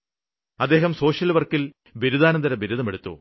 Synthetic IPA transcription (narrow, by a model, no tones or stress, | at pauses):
ɐd̪ːe̞ːɦɐmso̞ːʂjɐlʋɐrkːil | biɾud̪aːnɐnd̪ɐɾɐbiɾuðɐmeɽut̪ːṵ